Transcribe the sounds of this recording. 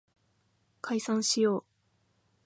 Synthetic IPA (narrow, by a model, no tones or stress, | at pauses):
kʰaisãɰ̃ɕijo̞ː